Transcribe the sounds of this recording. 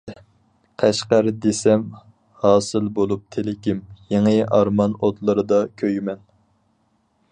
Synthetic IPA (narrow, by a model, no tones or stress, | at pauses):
qʰæʃqæɾd̪esɛm | hɑːsɨlbolˠup̚t̪ʰelɪkʲʰimjeŋɨʔɑɾmɑnot̪lˠɨɾɨd̪ɑkʲʰøjmɛn